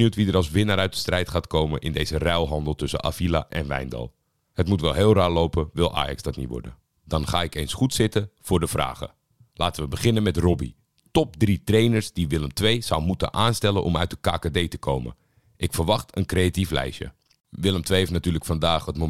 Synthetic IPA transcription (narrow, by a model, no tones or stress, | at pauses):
utʋidəɾɑlˠsʋɪnaɾœɥt̚də̥strɛjtχaːtkowmənʔɪ̰ndejzərɛlˠɦɑndəlˠtɵsə̰ʔa̰fila̰ʔɛnʋɛ̰jndɑ̰lˠ | hətmutʋɛlˠɦɪːlˠraːɹlowpəʋɪlˠʔa̰ːjɑ̰kzdɑtnḭtʋɔ̰ɹdə̰ | d̥ɑnχaːɪkejnsχutsɪtəfʊːɹdəfra̰ːχə̰ | laːtənʋəbəχɪnənmɛtrɔbḭ | tɔp̚dritrejnəɹsdiʋɪləmtʋejzʌwmutə̰nʔaːnstɛlənʔɔ̰mœ̰ɥt̚dəkaːkadejtəkʰowmə̰ | ʔɪkfəɹʋɑχtʰənkrejatiflɛ̰jʃjə̰ | ʋɪləmtʋejɦeftnatyːləkfɑndaːχətmo